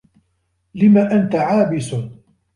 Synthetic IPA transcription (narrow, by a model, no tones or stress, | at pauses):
lɪmaːʔant̪aʕaːbɪs